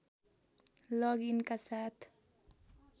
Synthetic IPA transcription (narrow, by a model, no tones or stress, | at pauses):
lɔɡinkasat̪